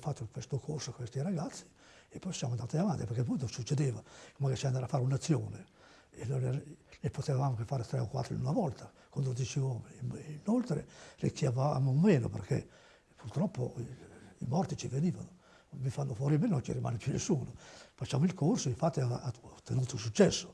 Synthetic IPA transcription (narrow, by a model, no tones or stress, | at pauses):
fat̪ːokwest̪okʰorsoakwest̪iɾaɡat̪sːi̥ | epːɔjsjamoand̪at̪iavant̪iperkɛp̬ɔjt̪osut͡ʃːed̪eːvakomakat͡ʃand̪aɾafaːɾeunat̪sːjoːne | enojlɛepːot̪evavamokefaːɾet̪ɾɛ̰okwa̰t̪ːɾo̰nunavɔlt̪akwand̪od̪jɛt͡ʃiɔːmenolt̪ɾḛrḭkʰːjavamomeːno̰pḛrkʰḛ | purt̪ɾɔpːo̰ | ḭmɔrt̪it͡ʃiveniːva̰no | vifanːofwɔːɾimenont͡ʃḭɾima̰ːnepjunːḛsːuːnofat͡ʃːamoilkʰorsoiɱfat̪ːiaat̪ːenuːt̪osut͡ʃːɛsːo̥